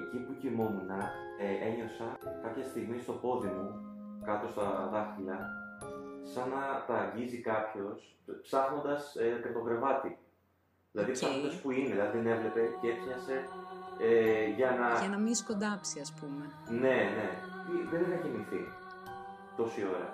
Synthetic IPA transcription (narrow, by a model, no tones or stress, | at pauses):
ecipucimo̞munɐ | ee̞ɲo̞sɐkɐpçɐst̪iɣmist̪o̞po̞ðimu | kɐt̪o̞st̪ɐðɐxilɐ | sɐnɐt̪ɐːɲɟizikɐpço̞s | psɐxno̞nd̪ɐskɐt̪o̞ɡɾe̞vɐt̪i | ðilɐðipsɐxnond̪ɐspuinelɐiðene̞vle̞pe̞cepsɲɐse̞eʝɐnɐɐnɐmiskond̪ɐpsiɐspume | ne̞ne̞tiðenneçemiθḭ | t̪o̞sio̞ɾɐ̰